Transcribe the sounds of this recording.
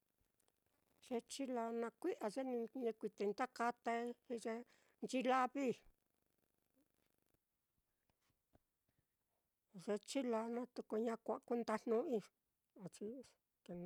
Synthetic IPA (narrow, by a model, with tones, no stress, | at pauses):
ʐ̥e˧t͡ʃi˦la˧nã˧kʷi˦ʔa˧ʐe˦nĩ˧ɲẽ˧kʷi˧t̪e˧nt̪a˦ka˦˧t̪a˧i˦i˧ʐe˧ | nt͡ʃi˧la˦βi˦ | ʐe˧t͡ʃi˦la˧nã˦t̪u˧ku˧ɲã˦˧kʷa˧ʔku˦nd̪a˧n̥nũ˦i˦˧ | a˧t͡ʃi˧ | ke˧n